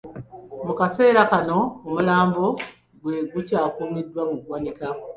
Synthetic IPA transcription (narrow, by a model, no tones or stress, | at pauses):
mukase̞ːɾakano̞ːmulaːmbo | ɡweɡucaːkumidːwamuɡwanika